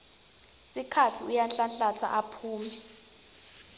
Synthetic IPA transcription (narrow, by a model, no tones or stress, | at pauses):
sikʰatʰiujanɬanɬatʰa̰ʔapʰuːmɛ